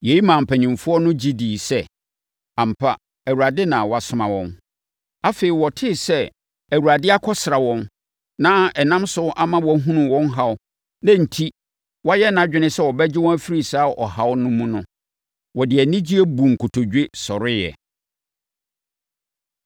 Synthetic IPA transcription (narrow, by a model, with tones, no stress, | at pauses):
je˨˦i˦mãː˨m̩˨pʰæ˨ɲɪ̃˨mfʊ˦ɔ˦nʊ̃˦d͡ʑi˦diː˨sɛ˦ | ã˨m̩˨pʰa˦ | æ˨wu˨ɾa˨dɪ˦nã˨wɔ˨a˨sʊ˦mã̰˨wɔ̰̃˦n | a˦feː˨i˨wɔ˨tʰɪ˦˨sɛ˦ | æ˨wu˨ɾa˨dɪ˦a˦kʰɔ˦sɪ˨ɾa˨wɔ̃˦n | nã˦ɛ˨nã˦msʊ˦ʔa˦mã˦wɔ˦ɦũ˦nũ˨wɔ̃˦nɦa˦˨ʊ˦ | nã˦n̩˨tʰi˦ | wɔ˦jɛ˦n˦ã˨d͡ʑᶣɪ˦nɪ̃˦sɛ˦wɔ˨bɛ˦d͡ʑɪ˦wɔ̃˦æ˦fi˦ɾi˨saː˦ʔɔ˨ha˦wʊ˦nʊ̃˦mũ˦nʊ̃˦ | wɔ˨dɪ˨ɛ˨nĩ˦d͡ʑi˦ɛ˦bu˨ŋ̩˨kʰʊ˨tʰo˨d͡ʑᶣe˦sɔ˨ɾɪ˦jɛ̰˨